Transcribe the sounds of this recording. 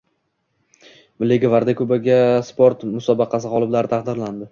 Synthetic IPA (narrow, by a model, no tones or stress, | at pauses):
mɪlːeɡʲavaɾd̪akʲʰɵbaɡʲaspoɾt̪mʊsɒbɑqʰɑs̬ɪʁɒlˠɪblaɾɪt̪ʰaɑqd̪ɪɾland̪ɪ